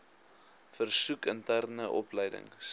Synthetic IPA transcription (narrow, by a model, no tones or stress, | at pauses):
fərsukəntærnəʔɔpləjdə̰ŋs